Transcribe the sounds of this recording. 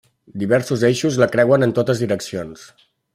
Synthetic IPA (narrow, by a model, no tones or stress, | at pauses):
d̪iβɛɾsuzejʃuzləkɾɛwənənt̪ot̪əzðiɾəksions